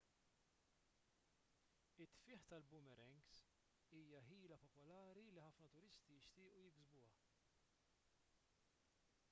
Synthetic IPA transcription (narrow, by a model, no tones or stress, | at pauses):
ɪt̪ːfɪːħt̪ɐlbʊmɛɾɛŋɡs | iːjɐħiːlɐpɔpɔlɐːɾiliħɐfnɐt̪ʊɾɪst̪ijɪʃt̪ɪːʔujɪɡzbʊwɐ